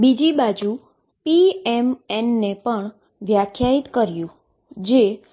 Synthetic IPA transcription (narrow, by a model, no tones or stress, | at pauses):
bid͡ʒibad͡ʒu | piɛmɛnːepəɳ | ʋjakʰjait̪kəɾjũ | d͡ʒe